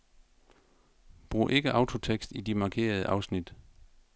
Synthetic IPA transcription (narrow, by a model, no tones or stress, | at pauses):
b̥ʁṵːʔe̝ɡ̥əʔɑ̈ʊt͡sʰo̝t͡sʰeɡ̥sd̥id̥imɑ̈ːkʰe̝̰ːɐð̞ˠəʔɑ̈ʊsnid̥